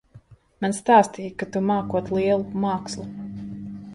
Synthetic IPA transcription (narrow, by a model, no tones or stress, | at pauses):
manst̪aːst̪iːjkat̪umaːkuɔt̪lˠiɛlˠumaːkslˠu